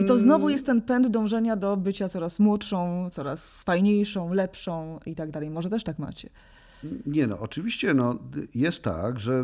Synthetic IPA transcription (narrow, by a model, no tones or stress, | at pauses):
it̪ɔznɔvujɛst̪t̪ːɛnpɛnd̪d̪ɔ̃w̃ʐɛɲad̪ɔbɘt͡ɕat̪sɔɾasmwɔtʂɔ̃w̃t̪sɔɾasfajɲejʂɔ̃w̃lɛpʂɔ̃w̃it̪aɡ̚d̪alɛjmɔʐɛt̪ɛʂt̪akma̰t͡ɕɛ | ɲɛnɔ̰ɔt͡ʂɨvʲiɕt͡ɕɛnɔjɛst̪ːa̰ɡʐɛ